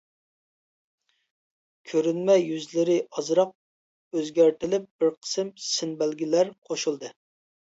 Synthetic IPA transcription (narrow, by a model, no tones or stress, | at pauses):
kʲʰøɾynmɛjyzlɪɾɪʔɑzɾɑq̚ | øzɡʲæɾt̪ɪlɪp̚b̥ɪɾqʰə̥sɨmsɪnbælɡʲilæɾqʰoʃulˠd̪ɨ